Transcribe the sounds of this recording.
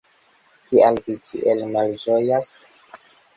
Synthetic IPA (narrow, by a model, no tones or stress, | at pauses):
hialvitʰḭʔelmald͡ʒojas